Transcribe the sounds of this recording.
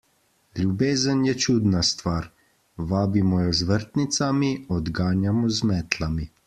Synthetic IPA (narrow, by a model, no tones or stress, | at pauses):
lʲjubeːzənjɛt͡ʃuːd̪nast̪ʋaːɾ | ʋaːbimɔjɔzʋəɾt̪nit̪samiɔd̪ɡaːnjamɔzmɛːt̪ʰlami